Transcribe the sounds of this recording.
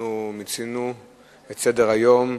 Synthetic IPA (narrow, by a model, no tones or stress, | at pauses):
umit͡sinu | et͡sedeʁajo̞m